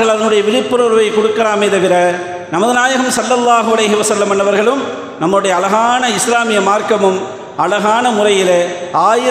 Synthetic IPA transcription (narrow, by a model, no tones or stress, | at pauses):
ɣɐɭɐðɐnɯɽɐjɐʋɪðɪpːɯɾɐɾʋɐɪkɔɽʊkːɐɾaːmeːðɐʋɪɾɐ | nɐmɐðɯnaːjɐɣɐmsɐlːɐlːaːɦʊɐlɐɪɦɯʋɐsɐlːɐmɐnːɐʋɐɾɣɐɭɯm | nɐmːɐɭɯɽɐjɐːlɐɣaːnɐɪslaːmɪjɐmaːɾkɐmɯm | ɐlɐɣaːnɐmʊrɐjɪleaːjɪ